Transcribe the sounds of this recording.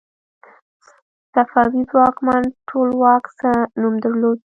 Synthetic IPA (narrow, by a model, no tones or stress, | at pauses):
safɑwizwɑkmanʈʰolwɑksənumd̪əɾlod̪̚